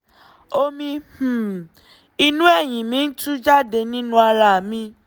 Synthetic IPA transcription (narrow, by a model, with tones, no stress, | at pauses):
o˦mĩ˧h̩˨ | i˧nũ˦ɛ˦˨ɲ̃ĩ˨mĩ˨˦n̩˦tu˦d͡ʒa˦de˧nĩ˦nũ˦a˧la˨mĩ˦